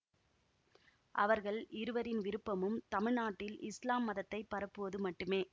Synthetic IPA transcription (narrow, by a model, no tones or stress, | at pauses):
ʔɐʋɐɾɣɐɭɪɾɯʋɐɾɪnʋɪɾɯpːɐmɯmt̪ɐmɪɻnaːʈːɪlɪslaːmːɐðɐt̪ːɐɪpːɐɾɐpːɯʋɐðɯmɐʈːɯmeː